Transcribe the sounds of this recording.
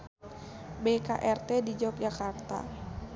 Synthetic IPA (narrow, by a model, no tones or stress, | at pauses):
beka̰ʔɛrt̪ɛdid͡ʒak̚d͡ʒakart̪a̰